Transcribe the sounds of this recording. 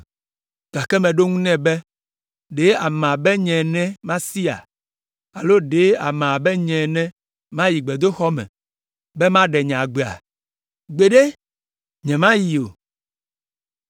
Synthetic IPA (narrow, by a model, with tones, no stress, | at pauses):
ɡ̥a˨kɛ˦mɛ̃˨ɖo˦ŋũ˦nɛ̃˦bɛ˦ | ɖe˦a˨mã˨bɛ˦ɲɛ̃˨nɛ̃˦mã˦si˦a̰˨ | a˨lo˦ɖe˨˦a˨mã˨bɛ˦ɲɛ̃˨nɛ̃˦ | mã˦ji˨ɡ͡bɛ˨d̪o˦xɔ˦mɛ̰̃˨ | bɛ˦mã˦ɖɛ˨ɲɛ̃˨a˨ɡ͡be˨a̰˨ | ɡ͡be˨ɖe˦ | ɲɛ̃˨mã˦ji˨o˨